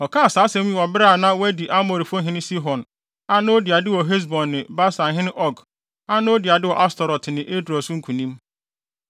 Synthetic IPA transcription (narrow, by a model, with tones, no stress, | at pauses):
ɔ˨kʰaː˦a˨saː˨˦sɛ̃˦m˦jĩ˦wɔ˨bɪ˦ɾa˦˨nã˦wæ˦di˨ʔa˦mo˨ɾi˨fʊ˦ɦɪ̃˦nɪ̃˦si˦ɦɔ̃˨n | a˦nʊ̃˦o˦di˨a˨dɪ˦wɔ˨ɦe˦s̬bɔ̃˨nːɪ̃˨ba˦sã˨ɦɪ̃˦nɪ̃˦ʔɔ˦ɡ | a˦nʊ̃˦o˦dɪ˨a˨dɪ˦wɔ˨ʔa˦stɔ˨ɾɔ˨tʰɪ˨nɪ̃˨ʔe˦dɾɔ˨sʊ˦ŋ̩˦kʰũ˨nĩ˦m